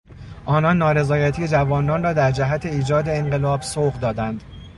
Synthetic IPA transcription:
ʔɒːnɒːnːɒːɾe̞zɒːjæt̪ʰije̞d͡ʒævɒːnɒːnrɒːd̪æɾd͡ʒæɦæt̪ʰe̞iːd͡ʒɒːd̪e̞eŋɢe̞lɒːbsoːɣd̪ɒːd̪ænd̪̥

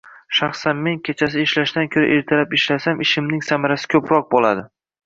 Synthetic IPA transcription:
ʃɑχsanme̞nkʲʰe̞t͡ʃʰas̬ɪɪʃlaʃd̪ankʲʰɵɾa̰ʔeɾt̪ʰalapɪʃlasamʔɪʃɪmnɪŋsamaɾasɪ̥kʲʰɵpɾɒq̚bolˠa̰d̪ɪ

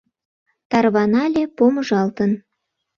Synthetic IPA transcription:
t̪ɑrβɑnɑlʲepoməʒɑlt̪ən

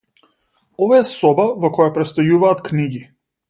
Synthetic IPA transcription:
ɔvaɛsɔbavɔkɔjapɾɛt̪st̪ɔjuvaːt̪kniɡi

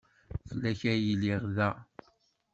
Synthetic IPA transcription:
θəlːæçæjəlɪʁðæ

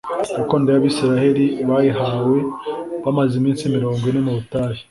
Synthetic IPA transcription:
kukoːndejaβiːsiɾahe̞ɾiβaːjiɦawe̞βamazimiːnsimiɾo̞ːŋɡwine̞muβutaːhi̥

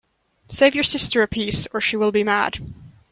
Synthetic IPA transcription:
seɪvjə˞sɪstə˞ɨpʰisə˞ʃiwɪlˠbimæ̰d̥

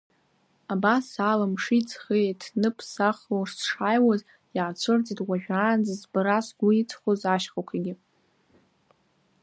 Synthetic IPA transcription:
abasalamʂit͡sʰχetʰnɨpʰsaχloʂsʂaːjwaz | jaːt͡sʷʰɨrt͡sʼidwaʒᶣaːnd͡zazbɨɾasɡʷʊit͡sʰχozaʃχakʷʰaɡʲɪ

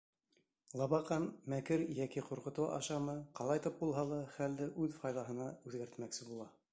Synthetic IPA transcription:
lˠɑβɑqɑnmækɘɾjækiquɾqɤ̆t̪ɤwɑ̰ʃɑmɤqɑlˠɑjt̪ɤp̚bulˠɦɑlˠɑχæld̪ɘʔʉðfɑjðˠɑɦɤ̆nɑʉðɡæɾt̪mæksɘbulˠɑ

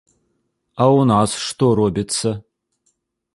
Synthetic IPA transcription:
aunasʂt̪oɾobʲɪt̪sɐ

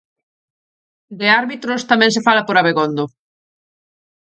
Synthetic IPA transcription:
d̪eaɾβit̪ɾʊst̪amɛ̃ŋsefalɐpoɾaβeɣond̪ʊ

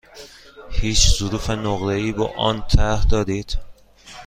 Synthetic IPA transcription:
hiːt͡ʃzuɾuːfenoɣɾeiːbɒ̰ːʔɒ̰nt̪ʰæhd̪ɒːɾiːd̪̥

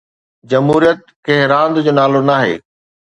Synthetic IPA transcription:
d͡ʑɐmɦuːɾijət̪̚keɦɪɾãːnd̪d͡ʑoːnaːlonaːɦḛː

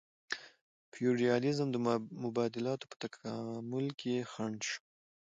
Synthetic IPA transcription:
pʰjuɾijɑlɪzəmd̪əmʊbɑd̪ɪlɑt̪o̥pə̥t̪akʰɑmʊlkexaɳʃ

